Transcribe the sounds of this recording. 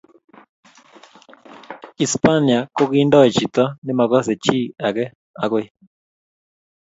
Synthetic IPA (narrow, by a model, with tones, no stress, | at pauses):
i˨spa˦ni˨a˨ko˦ɣiː˦ndɔ˦˨t͡ʃi˨tɔ˦ne˦ma˨ɣɔ˦sɛ˨t͡ʃiː˦˨a˨ɣɛ˦ | a˨ɣo˦